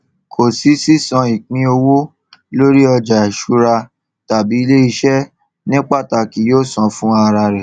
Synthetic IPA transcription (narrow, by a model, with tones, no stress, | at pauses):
kʰo˨si˨˦si˦sɔ̃˧i˨k͡pĩ˧o˧wo˦ | lo˦ɾi˦ɔ˧d͡ʒa˨i˨ʃu˧˦ɾa˧ | ta˨bi˨˦i˦le˦i˧ʃɛ˦ | nĩ˦k͡pa˦˨ta˨ki˨joː˦˨sɔ̃˧fũ˦a˧ɾa˧ɾɛ˨